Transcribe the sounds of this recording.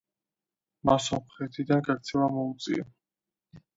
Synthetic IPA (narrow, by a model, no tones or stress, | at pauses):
masɔmχɛt̪ʰid̪anɡakt̪sʰɛlamɔut̪sʼḭɛ